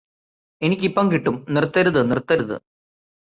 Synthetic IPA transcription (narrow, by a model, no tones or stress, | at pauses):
e̞nikʲːipːɐŋkiʈːumnirt̪ːɐɾuðɨnirt̪ːɐɾuðɨ̰